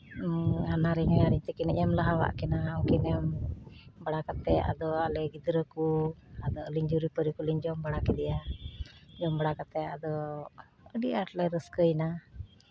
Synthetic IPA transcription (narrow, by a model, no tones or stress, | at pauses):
anaɾiɲajaɾiɲt̪ɛkinɛɲəmlaɦawa̰ʔkɛnaɔkinɛm | baɽakat̪ɛʔa̰d̪ɔalɛɡid̪ɾəkuad̪ɔəliɲd͡ʒuɾipəɾikuliɲd͡ʒɔmbaɽakɛd̪ɛja | d͡ʒɔmbaɽakat̪ɛad̪ɔ | əɖiaʈlɛɾəskəjna